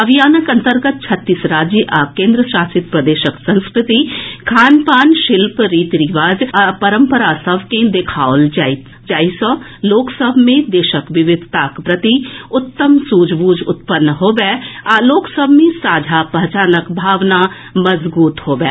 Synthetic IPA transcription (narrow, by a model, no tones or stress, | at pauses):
ɐbʱijaːnəkɐ̃nt̪əɾɡət̪̚t͡ʃʰɐt̪ːiːsɾaːd͡ʒjəʔakẽːnd̪ɾəʃaːsɪt̪̚pɾɐd̪eːʃəksɐ̃nskɾɪt̪ikʰaːnpaːnʃɪlpɾiːt̪ɾiʋaːzpɐɾə̃mpəɾasɐbʱkẽd̪eːkʰaːold͡ʒaɪ | d͡ʒaːisə | loːksəbʱmẽd̪eːʃəkʋɪʋɪd̪ʱt̪aːkpɾɐt̪iʊt̪ːəmsuːd͡ʒbuːd͡ʒʊ̰t̪pənːɦoːbɛːaloːksəbʱmẽsaːd͡ʒʱapɐɦt͡ʃaːnəkbʱaːʋna | mɐzbuːt̪hoːbɛ̰ː